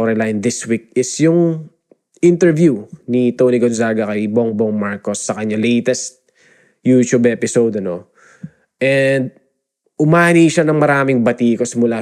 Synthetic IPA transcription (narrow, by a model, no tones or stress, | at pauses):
ɾɛlajnd̪ɪswik̚ɪsjʊŋ | ʔɪnt̪ɛɹvjunit̪owniɡonzaːɡɐkɐjboŋboŋmaɹkosːɐkɐɲalejt̪ɛst̪̚ | jut͡ʃubɛːpɪsowd̪ɐno̞ | ʔɛnd̪̚ | ʔʊmaːniːʃanɐŋmɐɾaːmɪŋbɐt̪iːkosɪmʊla